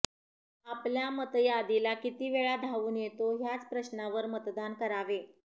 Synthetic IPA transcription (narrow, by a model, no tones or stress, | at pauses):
apljamət̪jad̪ilakit̪iːʋeɭad̪ʱaʋuːnjet̪oɦjat͡spɾəɕnaʋəɾmət̪d̪ankəɾaʋe